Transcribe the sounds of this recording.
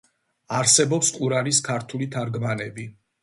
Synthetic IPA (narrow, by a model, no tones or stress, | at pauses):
aɾsɛbɔpsqʼuɾaɾiskʰaɾt̪ʰulit̪ʰaɾɡmanɛbi